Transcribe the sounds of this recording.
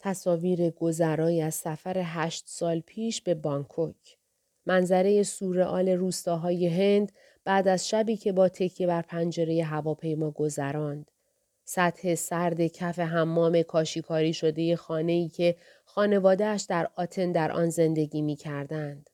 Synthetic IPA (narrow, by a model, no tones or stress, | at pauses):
t̪ʰæsɒːviːɾe̞ɡ̥o̞zæɾɒːjiæz̥sæfæɾe̞ɦæːʃt̪sɒːlpʰiːʃbe̞bɒŋkʰocʰ | mænzæɾe̞je̞suːɾe̞ʔɒːle̞ɾuːst̪ɒːɦɒːje̞ɦe̞nd̪ | b̥æːd̪æzʃæbiːcʰe̞bɒːt̪ʰe̞cʰje̞bæɾpʰænd͡ʒe̞ɾe̞je̞ɦævɒːpʰe̞jmɒːɡo̞zæɾɒːnd̪̥ | sæt̪he̞sæɾd̪e̞cʰæfe̞ɦæmːɒːme̞kʰɒːʃikʰɒːɾiːʃo̞d̪e̞je̞xɒːne̞iːcʰe̞ | xɒːne̞vɒːd̪eæʃd̪æɾɒːt̪ʰe̞nd̪æɾʔɒ̰ːnze̞nd̪e̞ɟiːmiːcʰæɾd̪ænd̪̥